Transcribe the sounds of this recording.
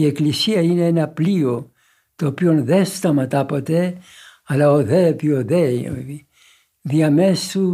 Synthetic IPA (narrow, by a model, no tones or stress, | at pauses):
ieklisiɐineenɐplio | t̪oːpio̞nðest̪ɐmɐt̪ɐpot̪e | ɐlɐoðepioðḛi | ðiɐmesu